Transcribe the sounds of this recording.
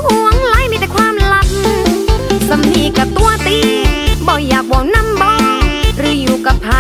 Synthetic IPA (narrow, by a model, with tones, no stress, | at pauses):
ʔu˨˧˩əŋla˧˥˨jmiː˧˥˩t̪ɛ˨˩jkʰwaː˧mla˧˩t̪̚n˧sa˨˧mniː˧˩ka˧˩t̪u˧ət̪iː˧bɔː˧˩jːaː˨˩k̚bɔː˨˩wna˧˨mbɔː˧˩ɾɯː˨˦juː˨˩ka˧˩pʰaː˨˧˦